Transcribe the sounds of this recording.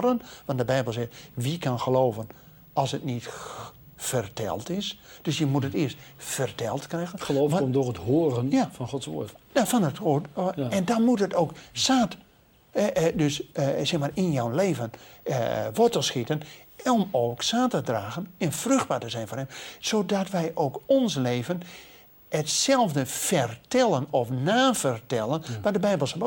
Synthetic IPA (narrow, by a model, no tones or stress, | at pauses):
rdənʋɑ̃ntdəbɛjbəlˠsɪxtʋikʰanxəloːvən | ɔlˠsətnit | fərtʰɛ̰lˠtɪsd̥øsjəmutətɪəstfərtʰɛlˠtkrɛjɣənəloːomdorətɦoːrənjafɔnxɔtsʋo̰ːtafɔnətotɛndɔnmutətoːksaːt | ɛdøssɛxmaːrɪnjɔwnleːvən | ʋɔtəlˠsxitən | ɔmoːksaːtədraːɣənənfrøxd̚baːtəzɛjnfoːrɛmsoːdɔtʋɛjʔoːkɔnsleːvən | ətsɛlˠvdəfɛrtɛlˠənɔfnaːfərtɛlˠənʋɔdəbɛjbəlˠsb